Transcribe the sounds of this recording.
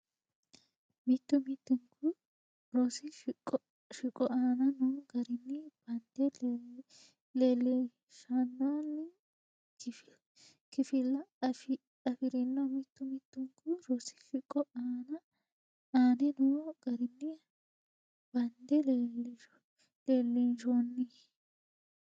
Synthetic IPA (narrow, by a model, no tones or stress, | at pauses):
mɪt̪ːʊmɪt̪ːʊŋkʰʊ | ɾɔsɪʃʼ | ʃɪkʼːɔʔaːnɐnoːɡɐɾɪnːɪbɐnd̪̥ɛ | leːlːɛ | ʃɐnːaːnːɪ | kɪ | kɪfɪlːɐf | ɐfɪɾɛnːɔmɪt̪ːʊmɪt̪ːʊŋkʊɾɔsɪ̥ʃɪkʼːɔʔaːnɐ | aːnɛnoːɡɐɾɪnːɪ | b̥ɐnd̪ɛlel | leːlːinʃonːi